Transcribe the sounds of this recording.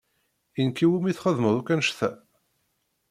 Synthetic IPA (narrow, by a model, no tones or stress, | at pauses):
inkiwumiθχəðməðˤukːænʃθæ̰